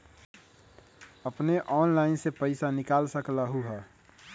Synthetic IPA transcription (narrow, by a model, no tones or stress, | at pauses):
əpneʔɔːnlaːɪnsepəɪsanɪkaːlsəklaɦuɦɛː